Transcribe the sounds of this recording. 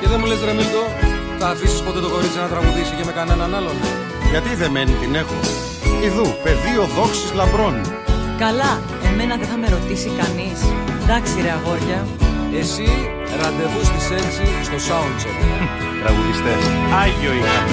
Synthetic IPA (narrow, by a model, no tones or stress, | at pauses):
ceðenmulezɾemild̪o̞ | θɐːfisispo̞t̪e̞t̪o̞ko̞ɾit͡sinɐt̪ɾɐɣuðisiceme̞kɐnenɐnɐlo̞n | ʝɐt̪iðe̞me̞nit̪ine̞xo | iðupe̞ðio̞ðo̞ksizlɐvɾo̞n | kɐlɐ | eme̞nɐðeθɐme̞ɾo̞t̪isikɐnisðɐksiɾeɐɣo̞ɾʝɐ | e̞si | ɾɐnd̪e̞ðust̪isensist̪o̞sɐund̪t͡seɾ | t̪ɾɐɣuðist̪eɐʝio̞ime